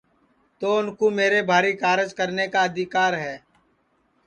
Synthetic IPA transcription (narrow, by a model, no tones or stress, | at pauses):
t̪oːʊnkuːmeːɾebʱaːɾikaːɾɪd͡ʒkəɾnekaəd̪ʱɪkaːɾɦɛː